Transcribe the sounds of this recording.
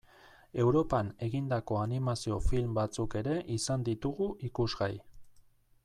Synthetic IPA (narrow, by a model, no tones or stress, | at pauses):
e̞wɾo̞pane̞ɣind̪ako̞animasio̞filmbat͡suke̞ɾe̞ʔisand̪it̪uɣuʔikuzɣaj